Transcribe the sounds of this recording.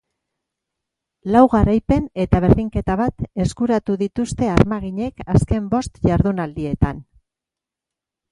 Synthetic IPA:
lawɣaɾajpe̞ne̞t̪aβ̞e̞ɾðiŋke̞t̪aβat̪e̞skuɾat̪uðit̪ust̪e̞aɾmaɣ̞iɲe̞kaske̞mbo̞st̪ʝaɾðunald̪ie̞t̪an

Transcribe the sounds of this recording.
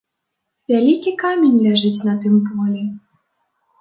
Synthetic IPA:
vʲalʲikʲikamʲenʲlʲaʐɨt͡sʲnɐt̪ɨmpɔlʲɛ

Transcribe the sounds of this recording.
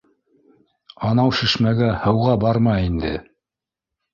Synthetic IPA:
ɑnɑwʃɘ̆ʃmæɡæhɤ̆wʁɑbɑɾmɑind̪ɘ̰

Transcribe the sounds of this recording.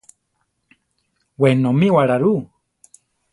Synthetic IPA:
wenõmĩwaɾaɾu

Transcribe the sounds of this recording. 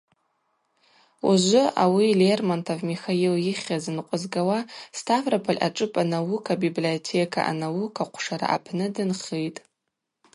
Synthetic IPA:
uʒʷʊawilermantʰovmixailjɪχʲazɨnqʷʼʊzɡawastʰavrapʰalʲʔa̰ʈ͡ʂʼɨpʼanawukʰabibliotʰekʰa̰ʔa̰nawukʰaqʷʰʂaɾa̰ʔa̰pʰnɨdɨnχejtʼ

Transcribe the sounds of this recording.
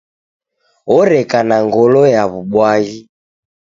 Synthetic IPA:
ɔɾɛkanaŋɡɔlɔjaβuɓwaɣi

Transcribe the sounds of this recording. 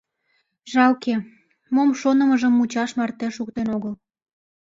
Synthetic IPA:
ʒɑwke | momʃonəməʒəmːut͡ɕɑʃmɑrt̪eʃuk̚t̪enoɣəl

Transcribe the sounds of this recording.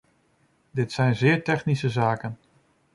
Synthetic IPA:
dɪtsɛjnzɪːɹtɛχnisəzaːkən

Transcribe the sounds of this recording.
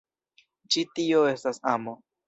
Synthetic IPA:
t͡ʃitio̞e̞stasamo

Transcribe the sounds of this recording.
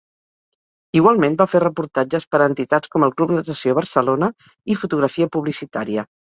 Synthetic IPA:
iɣwalˠmenbaferəpuɾt̪ad͡ʒəspəɾənt̪it̪at͡skɔməlˠklupnət̪əsioβəɾsəlonə | ifut̪uɣɾəfiəpuβlisit̪aɾiə

